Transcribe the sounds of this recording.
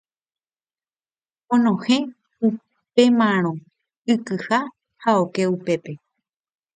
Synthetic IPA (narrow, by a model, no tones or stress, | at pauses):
õnõhẽ̞ | u | pe̞mãɾ̃õ | ɨkɨha | haoke̞upe̞pe̞